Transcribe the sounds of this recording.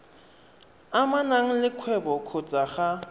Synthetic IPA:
amanaŋ̩lɪkʰwɛbɔkʰʊt͡sʼaχa

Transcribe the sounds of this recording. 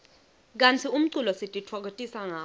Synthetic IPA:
k̬ant͡sʰium̩ǀulɔsitʼitʰwɔk̬otʼisaŋaː

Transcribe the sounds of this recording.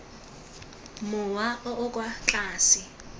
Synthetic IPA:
mʊwaɔʔɔkʼwat͡ɬʼaːsɪ

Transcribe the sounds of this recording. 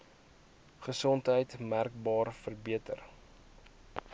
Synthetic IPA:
χəsɔntɦəjtmærk̚bɑːrfərbiətər

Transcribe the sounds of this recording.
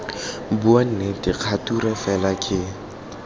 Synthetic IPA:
buan̩netiq͡χʰaturɛfɛlakʰʼɪ

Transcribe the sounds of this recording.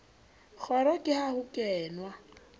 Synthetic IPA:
k͡xʰɔɾɔkʼɪhahʊkʼɛːnwa

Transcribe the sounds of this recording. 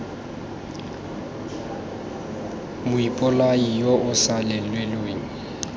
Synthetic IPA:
mʊipʼʊlaijɔʔʊsalɛlwelweːŋ̩

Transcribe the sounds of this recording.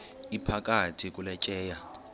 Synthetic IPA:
ipʰakʼatʰik̬ʼulɛt͡ʃʼɛːja

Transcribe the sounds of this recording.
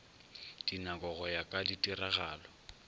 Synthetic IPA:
d̥inakɔɣɔjakʼaditʼiraɣaːlɔ

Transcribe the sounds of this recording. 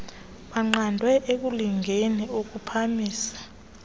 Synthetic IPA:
ɓaŋ͡ǃandʱwɛʔek̬uliŋʱeniok̬upʰamiːsḁ

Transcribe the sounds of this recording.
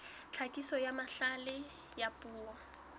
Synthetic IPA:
t͡ɬʰakʼisɔjamaɬalɪ | japʼuːwɔ

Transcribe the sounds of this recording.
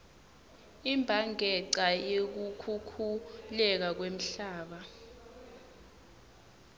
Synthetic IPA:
imbʱaŋɛǀajek̬ukʰukʰulɛk̬ak̬wem̩ɬaːɓa

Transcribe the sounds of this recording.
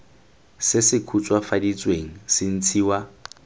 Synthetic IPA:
sɪsɪkʰut͡sʼwafadit͡sʼweŋ̩sɪn̩t͡sʰiːwa

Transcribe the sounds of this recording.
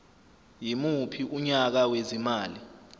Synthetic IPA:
jimupʰiʔuɲak̬awezimaːli

